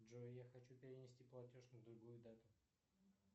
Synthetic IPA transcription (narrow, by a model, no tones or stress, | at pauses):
ʐoɪjaxɐt͡ɕupʲɪɾʲɪnʲɪsʲtʲiplˠɐtʲo̞ʂnəd̪ɾʊɡujʊd̪at̪ʊ